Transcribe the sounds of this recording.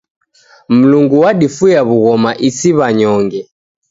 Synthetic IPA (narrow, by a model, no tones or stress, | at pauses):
m̩luŋɡuwaɗifujaβuɣɔmaʔisiβaɲɔŋɡɛ